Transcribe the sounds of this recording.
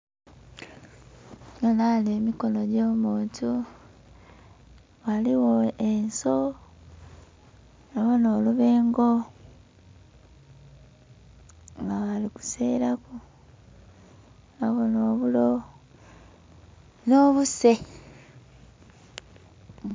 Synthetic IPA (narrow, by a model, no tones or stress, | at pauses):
nonaleːmiko̞no̞ɟo̞ːmuːntʰu | βaliwo̞enso | naβono̞ːluβeːŋɡo̞ | ŋɡaβaliku̥se̞ːɾaku | naβono̞ːβulo̞ | noːβuse̞